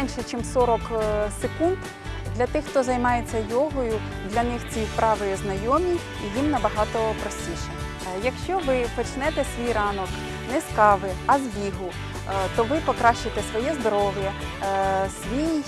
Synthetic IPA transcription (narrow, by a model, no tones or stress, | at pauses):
nʲʃɛt͡ʃɪmsɔɾɔksekund̪ | d̪lʲɐt̪ɪxt̪ɔzɐjmɑjet͡sʲːɐjɔɦɔjʊ | d̪lʲɐnɪxt͡sʲipɾɑʋɪjznɐjɔmʲiː | jimnɐbɐɦɑt̪ɔpɾɔsʲtʲiʃɛ | jɐkʃt͡ʃɔʋɪpɔt͡ʃnɛt̪ɛsʲʋʲijrɑnɔk | nɛskɑʋɪɐzʋʲiɦʊ | t̪ɔʋɪpɔkɾɑʃt͡ʃɪt̪ɛsʋɔjɛzd̪ɔɾɔʋjɐ | sʲʋʲij